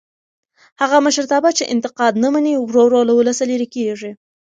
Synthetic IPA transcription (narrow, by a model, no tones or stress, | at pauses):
haɣaməʃəɾt̪ɑbat͡ʃeʔɪnt̪ɪqɑd̪nəmaniwɾoɾolawʊləsaleɾekeʐi